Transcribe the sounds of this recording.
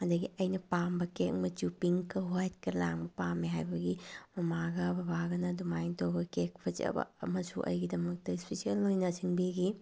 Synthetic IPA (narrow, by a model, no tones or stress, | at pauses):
ɐdɐɡiɐjnɐpambɐkek̚mɐt͡ʃupiŋkɐɦojet̚kɐɾla̰ŋbɐpamːiɦajbɐɡimɐmaɡɐbɐbʱaɡɐnɐdumajntobɐkek̚pʰɐd͡ʒɐ̰bɐ̰mɐsṵʔɐ̰jɡidɐmɐk̚tɐispesiɐlːojnɐsiŋbiɡi